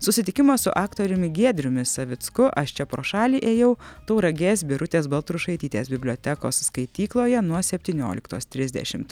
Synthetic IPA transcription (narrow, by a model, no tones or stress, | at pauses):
sʊsʲɪt̪ʲɪkʲɪmɐssʊ̰ʔɑːkt̪oːɾʲʊmʲɪɡʲiɛd̪ʲɾʲʊmʲɪsɐʋʲɪt̪skʊʔɐʃt͡ʃʲɛpɾoːʃɑːlʲiːʔeːjɛʊt̪oʊɾɐɡʲeːsʲbʲɪɾʊt̪ʲeːsbɐlˠt̪ɾuʃɐɪt̪ʲiːt̪ʲeːsbʲɪbʲlʲoːt̪ʲɛko̰ːsskɐɪt̪ʲiːklˠoːjɛnuɔsʲɛpʲt̪ʲiːnʲo̰ːlʲɪkt̪oːst̪ʲɾʲɪzʲd̪ʲɛ̰ʃʲɪmt̪